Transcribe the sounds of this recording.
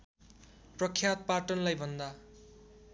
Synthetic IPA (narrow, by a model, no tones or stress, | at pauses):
prʌkʰjat̪̚paʈʌnlajbʱʌnd̪a